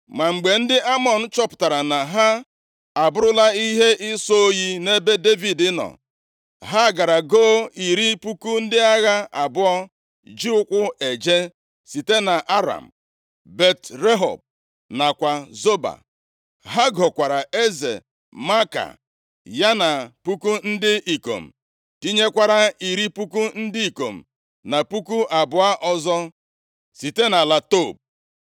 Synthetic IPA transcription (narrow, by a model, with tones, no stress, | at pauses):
ma˨ŋ͡m̩˨ɡ͡be˨n̩˦dɪ˦ʔa˦mɔ˨n̩˦t͡ʃɔ˦pʊ̥˨ta˨ɾa˨na˨ɦa˦ | a˨bʊ˦ɾʊ˦la˦i˦ɦe˦ʔɪ˦so˦o˦ji˦ne˦be˦de˦vi˨dɪ˦nɔ̰˨ | ɦa˦˨ɡa˨ɾa˨ɡo˦i˨ɾi˦pu˦ku˦n̩˦dɪ˦a˦ɣa˦a˨bʊ˦ɔ˦ | d͡ʒi˦ʊ˦kʷʊ˦e˨d͡ʒe˦ | si˨te˦na˨ʔa˦ɾa̰˨m̩˨ | be˦tɾe˦ɦɔ̰˨b̚ | na˨kʷa˨zo˦ba̰˨ | ɦa˦ɡɔ˨kʷa˨ɾa˨e˦zḛ˨ | ma˦ka̰˨ | ja˦na˨pu˦ku˦n̩˦dɪ˦ʔi˨ko̰˨m̩˨ | ti˦ɲe˦kʷa˦ɾa˦i˨ɾi˦pu˦ku˦n̩˦dɪ˦i˨ko˨m̩˨ | na˨pu˦ku˦ʔa˨bʊ˨a˦ʔɔ˦zɔ˦ | si˨te˦na˨la˨to˦˨b̚